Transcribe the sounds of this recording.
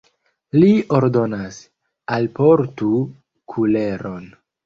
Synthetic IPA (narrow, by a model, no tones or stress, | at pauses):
lioɾdo̞nas | alpo̞ɾtu | kʰule̞ɾo̞n